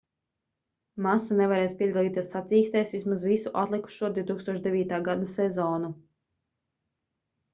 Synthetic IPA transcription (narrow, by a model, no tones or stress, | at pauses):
masanɛvaɾɛːspiɛɡalˠiːt̪ʲiɛsːat̪siːkst̪ɛjsʋʲismazvisuʔat̪lˠiku̥ʃuɔd̪ʲiut̪uːkst̪uɔʃd̪ɛvʲiːt̪aːɡad̪asɛzɔːnu